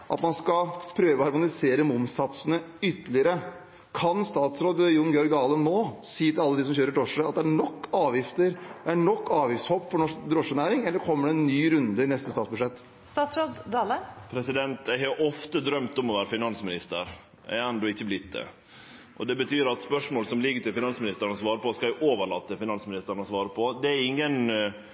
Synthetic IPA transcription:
ʔɑ̰t̪mɑnskɑpʰɾøːʋəɔhɑɾmʊnɪseːɾəmʊmsɑt̪sənəʏt̪ːəlɪəɾə | kʰɑnst̪ɑːt̪sɾoːd̪jʊnɡjɔɾɡɑːlənnːoːsiːət̪ʰɪlɑlːəd̪ɪsɔmçøːɾəɖɾɔʂəɑt̪̚d̪ɛæɳɔkːɑːʋjɪft̪əɾæɳɔkːɑːʋjɪft̪shoːpfɔɳɔʂd̪ɾɔʂənæːɾɪŋɛlːəɾkʰɔmːəɖɛɛnːyːɾʉnd̪əɪnɛst̪əst̪ɑːt̪sbʉʂɛt̪ː | st̪ɑːt̪sɾoːd̪d̪ɑləpʰɾɛsɪd̪ɛnt̪jæɪhɑɾʔɔft̪əd̪ɾœmt̪ɔmɔʋæːɾəfɪnɑnsmɪnɪst̪ə̰ɾ | æ̰ɾɛnd̪ɔɪçːəblɪt̪d̪ə̰ | ʔɔ̰d̪ɛbət̪ʰyːɾɑt̪spœʂmoːlsɔmlɪɡːət̪ɪlfɪnɑnsmɪnɪst̪əɾəɳɔsʋɑːɾəpɔskɑæɪʔoːʋəɭɑ̰t̪ːəfɪnɑnsmɪnɪst̪əɾɳ̩ɔsʋɑːɾəpʰɔd̪ɛæɾɪŋːən

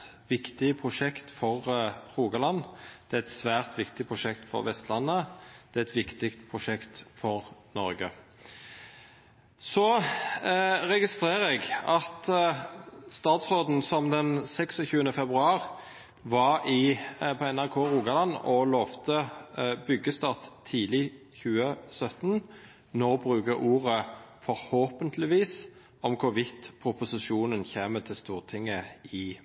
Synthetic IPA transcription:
ʋɪkt̪ɪpʰʁʊʂɛkt̪fɔʁʁuːɡɑlɑnd̪̥ɛːɛt̪sʋæːʁt̪ʋɪkt̪ɪpʰʁʊʂɛkt̪fɔ̰ʁʋɛst̪lɑnːəd̪̥ɛɛt̪ʋɪkt̪ɪkt̪pʰʁʊʂɛkt̪fɔʁnɔɾɡə | sɔ | ʁɛɡɪst̪ɾeːɾəɛɡɑt̪ | st̪ɑːt̪sʁoːd̪n̩sɔmd̪ɛnsɛksɔçʉːənəfɛbʁʉɑːʁ | ʋɑɾɪpʰɔɛnæʁkʰoːɾuːɡɑlɑnːɔlɔːʋt̪əbʏɡəst̪ɑːʁt̪ʰːiːlɪ | çʉːəsœt̪n | nɔʁbʁʉːɡəʔuːʁəfɔɾhoːpənt̪ʰlɪʋiːs | ɔmkʰʊʋɪt̪pʰʁʊpʊsɪʂuːnənçeːmət̪ʰɪlst̪uːʁt̪ʰɪŋːəɪ

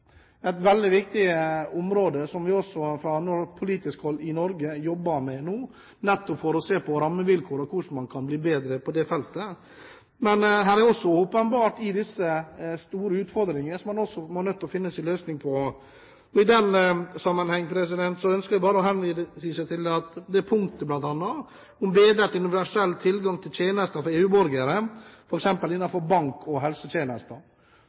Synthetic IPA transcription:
æɪt̪ʋɛld̪ɪʋɪk̚t̪ɪəʊmɾoːd̪əsɔmʋɪɔsːɔfɾɑnɔɾpʰʊliːt̪ɪskhɔlːɪnɔɾɡəjɔbːəmɛnuː | nɛt̪ːɔpfɔɾɔseːpɔɾɑmːəʋɪlkʰoːɾɔkʰʊʂ̩mɑnkʰɑnbliːbeːd̪ɾəpʰɔd̪ɛfɛlt̪ə | mɛnɦæːɾæɾɔsːɔoːpənbɑːʈɪd̪ɪsːəst̪uːɾəʉːt̪fɔɾd̪ɾɪŋəəsɔmːɑnɔsːɔmɔɾnœt̪ːɔfɪnːəsɪløːsnɪŋpʰɔ | ɔɪd̪ɛnsɑmːənhɛŋːəpʰɾɛs̬ɪd̪ɛnt̪sɔœnskəɾɪbɑːɾəɔɦɛnʋsisɛt̪ʰɪlɑt̪d̪ɛæpʰʊŋkt̪əblɑnt̪ɑnːɑ | ʊmbeːd̪ɾəʈ̪ʉnɪʋæʂɛlːt̪ʰɪlɡɑŋt̪ʰɪlt̪ʰeːnəst̪əfɔɾeːʉːbɔɾɡəɾəfɔɾɛksɛmpəlɪnːɑfɔɾbɑŋkʰɔɦɛlsət̪jeːnəst̪ə

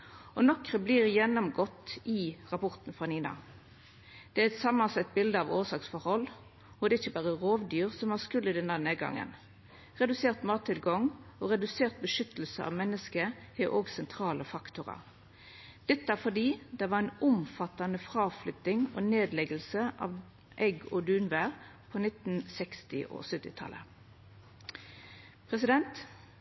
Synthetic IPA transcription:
ʔɔnɔkʁəbliːʁjɛnːɔmɡɔt̪ːɪʁɑpɔʁt̪nfʁɑːniːnɑ̰ | d̪̥ɛæɾɛt̪sɑmːɑnsɑt̪̚bɪld̪əɑʋoːsɑːksfɔɾhɔlː | ɔd̪ɛɪçːəbɑːʁəʁoːʋd̪yːʁsɔmhɑskʉlːɪd̪ɛnəæʁneːd̪ɡɑ̰ŋːə̰n | ʁɛd̪ʉseːʁt̪mɑːt̪ʰːɪlɡɔŋɔɾɛd̪ʉseːʁt̪̚bəʂʏt̪ːəl̩sə̰ɑ̰ʋmɛnːəskəheːʔoːɡsɛnt̪ʰʁɑːləfɑkt̪ʊʁɑ̰ | d̪̥ɛt̪ːəæʁfɔd̪iːd̪ɛʋɑʁæɪnʊmfɑt̪ɑnəfʁɑːflʏt̪ɪŋoːneːd̪lɛɡəlsəʔɑ̰ːʋ | ʔɛɡɔd̪ʉːnʋæːʁpʰoːnɪt̪n̩sɛkst̪ɪʔɔ̰ːsœt̪ːɪt̪ʰɑ̰lʔə̰ | pʰʁɛsɪd̪ɛnt̪

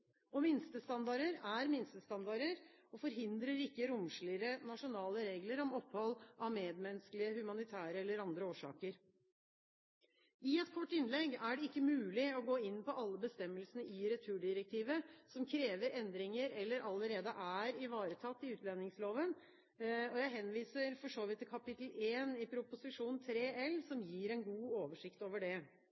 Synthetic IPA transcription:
ɔmɪnst̪əst̪ɑnd̪ɑɾəɾæɾmɪnst̪əst̪ɑnd̪ɑɾəɾɔfɔɾɦɪnd̪ɾəɾɪkːəɾʊmʂɭɪɾənɑʂʊnɑːləɾeːɡləɾɔmɔpːhɔlʔɑʋmeːd̪mɛnsklɪəhʉmɑnɪt̪ʰæːɾəɛlːəɾɑnd̪ɾəoːʂɑ̰ːkəɾ | ɪɛt̪kʰɔʈːɪnlɛɡæɖɛɪkːəmʉːlɪɔɡoːɪnːpɔʔɑlːəbəst̪ɛmːəlsənəɪɾɛt̪ʰʉːɖɪɾɛk̚t̪ʰiːʋəsɔmkʰɾeːʋəɾɛnd̪ɾɪŋəɾɛlːəɾʔɑlːəɾeːd̪əʔæːɾɪʋɑːɾət̪ʰɑt̪ːɪʉːt̪lɛnɪŋsloːʋən | ɔjæɪɦɛnʋiːsəɾfɔʂoːʋɪt̪ʰːɪlkʰɑpɪt̪l̩eːnɪpʰɾʊpʊsɪʂuːnn̩t̪ʰɾeːɛlsɔmjiːɾɛnɡuːoːʋəʂɪkt̪oːʋəɖɛ

